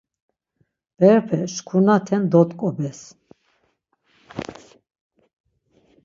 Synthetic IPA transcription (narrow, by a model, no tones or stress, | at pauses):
b̥ɛɾpʰɛʃkʰunat̪ʰɛnd̪ɔt̪ʼkʼɔbɛs